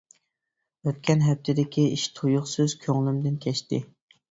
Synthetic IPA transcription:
øt̪̚kʲʰɛnɦɛp̚t̪ʰɪd̪ɪkʲʰiiʃt̪ʰojʊχsyz̥kʲʰøŋlˠɪmd̪ɪnkʲʰɛʃt̪ɪ̰

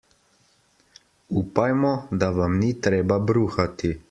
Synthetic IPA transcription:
uːpajmɔd̪aʋamnit̪ɾeːbabɾuːxat̪i

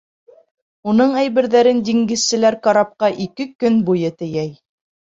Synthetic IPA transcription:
unɤɴæjβɘ̆ɾðæɾɘnd̪ʲiŋɡɘ̆ssɘ̆læɾkɑɾɑp̚qɑʔikɘkɵnbujɤt̪ɘ̆jæj

